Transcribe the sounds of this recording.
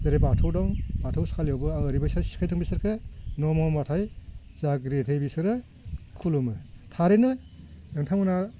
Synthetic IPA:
zaɾebatʰɯwdɔŋbatʰawskʰaljɔwbɯaɾibajsasi̥kʰajtʰɯŋbisɯɾkʰɯnɔmɔmatʰaj | zaɡɾetʰejbisɯɾɯ | kʰulumɯtʰaɾenɯ | jeŋtʰamɯna

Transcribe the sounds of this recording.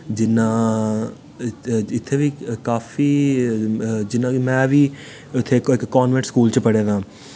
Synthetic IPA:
d͡ʒɪnãː | ɪt̪ʰːeːʋiːkaːfiː | d͡ʒɪnãːmɛ̃ːʋiː | ʊt̪ʰːeːkɪkːɔːnʋɛ̃ɳʈskuːlt͡ʃəpəɽeːd̪ãː

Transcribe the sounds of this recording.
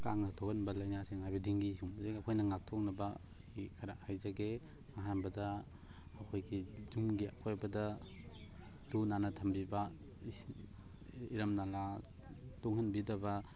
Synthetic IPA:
ka̰ŋnatʰɔkɐnbɐlɐjnasiŋhajbɐdiŋɡisumsekakʰɔjnɐŋak̚tʰɔk̚nɐbɐ | ikʰaɾahajzaɡe | maɦanbɐdɐː | kʰojɡizumɡia̰kʰojbɐdɐ | lunanɐtʰɐmbiba | iɾɐmnala | tuŋhanbidɐbɐ

